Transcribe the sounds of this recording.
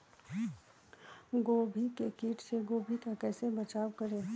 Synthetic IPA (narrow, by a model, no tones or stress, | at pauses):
ɡoːbʱikekiːʈseɡoːbʱikakɛːsebət͡ʃaːwkəɾẽː